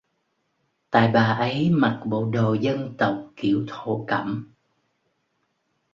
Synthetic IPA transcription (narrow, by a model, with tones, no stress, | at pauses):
t̪a̰ː˧˨jɓaː˨˩ʔə˨˦jma˨˩t̚ɓo̰˧˨ɗo˨˩zə˧nt̪ə˨˩wk͡p̚ki˧˩˨əwt̪ʰo̰˧˩kə˧˩m